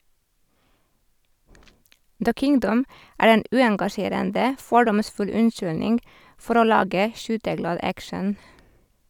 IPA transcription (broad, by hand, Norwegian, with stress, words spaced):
də ˈkɪŋdəm ˈæːɹ ˈeːn ˈʉːɛŋɡɑˌʃeːɾəndə ˈfɔɖɔmˌsfʉl ˈʉnˌʃʏlnɪŋɡ ˈfɔɾ ˈoː ˈlɑːɡə ˈʃyːtəˌɡlɑːd ˈækʃən